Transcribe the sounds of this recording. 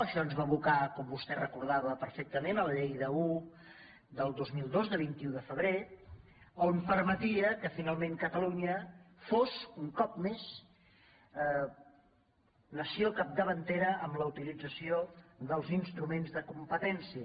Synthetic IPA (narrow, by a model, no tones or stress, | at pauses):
əʃɔnzβaβukakɔmbust̪ɛrəkuɾðaβəpəɾfɛk̚t̪əmenələʎejðəu | d̪əlˠd̪ozmilˠd̪ozðəβ̞int̪iuðəfəβ̞ɾe | ompəɾmət̪iəkəfinalˠmẽŋkət̪əluɲə | fosuŋkɔpmes | nəsiokap̚d̪əβənt̪eɾəʔːmləut̪ilid͡zəsioðəlˠzinst̪ɾumenzðəkumpət̪ɛnsiə